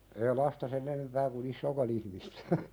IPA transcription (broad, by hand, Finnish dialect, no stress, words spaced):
eː lɑstɑ sen enempæː kun isːoːkɑn ihmistæ̥